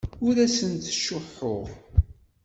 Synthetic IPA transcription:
ʊɾæsənt̪ʃʊħːʊʁ

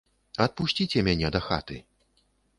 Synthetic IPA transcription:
ɐt̪̚puʃʲt͡sʲit͡sʲɛmʲanʲɛd̪ɐxa̰t̪ɨ

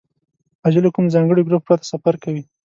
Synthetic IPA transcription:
ad͡ʒalokumzɑŋɡəɽiɡɾup̚ːɾɑt̪ḁsafaɾkawi

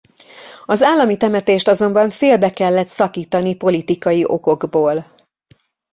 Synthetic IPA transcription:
ɒzaːlːɒmit̪ɛmɛt̪eːʃt̪ɒzo̞mbɒɱfeːlbɛkɛlːɛt̪sɒkiːt̪ɒnipo̞lit̪ikɒjiʔo̞ko̞ɡboːl

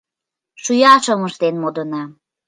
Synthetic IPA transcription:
ʃujɑʃoməʃt̪enmod̪ɤ̆nɑ

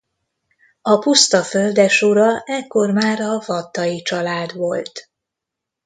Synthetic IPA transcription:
ɒpust̪ɒføld̪ɛʃoɾɒʔɛkːo̞rmaːɾɒvɒt̪ːɒjit͡ʃɒlaːd̪ʋo̞lt̪

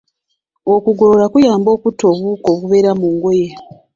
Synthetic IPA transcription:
o̞kuɡoɾoɾakujaːmbo̞ːkuto̞βuko̞βuβe̞ɾamuŋɡo̞je

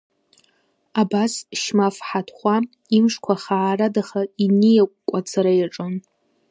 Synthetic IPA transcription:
abasʃmafħatʰχʷa | imʂkʷʰaχaːradaχainijakʷʼkʷʼat͡sʰaɾajaʈ͡ʂʼon

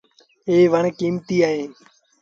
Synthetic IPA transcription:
eːʋəɳkiːmt̪iːaːɦẽː

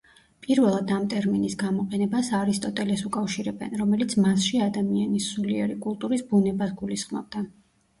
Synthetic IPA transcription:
pʼiɾvɛlˠad̪amt̪ʼɛɾminisɡamɔqʼɛnɛbasaɾist̪ʼɔt̪ʼɛlɛsukʼafʃiɾɛbɛ̰nɾɔmɛlit̪sʰmasʃiad̪amianisuliɛ̰ɾikʼulˠt̪ʼuɾisbunɛbasɡulisχmɔ̰b̚d̪a

